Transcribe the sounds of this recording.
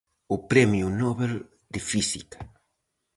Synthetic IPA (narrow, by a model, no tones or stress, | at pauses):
ʊpɾɛmjunɔβel | d̪ɪfisikḁ